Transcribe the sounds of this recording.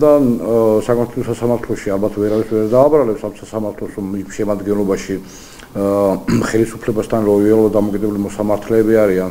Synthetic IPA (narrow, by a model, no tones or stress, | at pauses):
d̪asakʼmat̪ʰɛlɔsasamaɾt̪ʰlɔʃialbat̪ʰvɛɾavisvɛɾd̪aːbɾalɛpsamsasamaɾt̪ʰlɔsɾɔmiʃɛmad̪ɡɛnlɔbaʃi | χɛlisupʰlɛbast̪ʰanlɔɛlɔd̪amɔkʼid̪ɛbulimɔsamaɾt̪ʰlɛːbiaɾian